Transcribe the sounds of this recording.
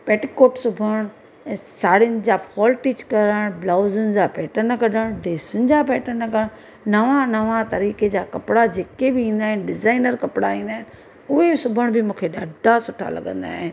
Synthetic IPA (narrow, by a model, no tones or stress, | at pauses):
peːʈikoːʈsʊbʱəɽ̃ | saːɽɪjənɪ̆d͡ʑaːfʰɔːlʈiːt͡ɕkɐɾəɽ̃blaːzənɪ̆d͡ʑaːpɛːʈənɐkɐɗəɽ̃ɖeːsʊnɪ̆d͡ʑaːpɛːʈənɐkəəɽ̃ | nɐʋãnɐʋãt̪ɐɾiːked͡ʑaːkɐpɽad͡ʑeːkebɪĩːnd̪aːɦɪnɪɖɪzaːɪnəɾkɐpɪɽaĩːn̆d̪aːɦɪn | ʊɦesʊbʱəɽ̃bɪmũːkʰeɗaːɖʱasʊʈʰa̰lɐ̰ɠə̃nd̪a̰ːɦɪn